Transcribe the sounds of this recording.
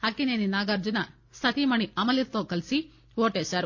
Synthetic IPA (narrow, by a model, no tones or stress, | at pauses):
hɐkineninaːɡɐɾd͡ʒɐnɐ | sɐt̪imɐɳiʔɐmɐliɾt̪oːkɐlsi | ʋoːʈesɐɾ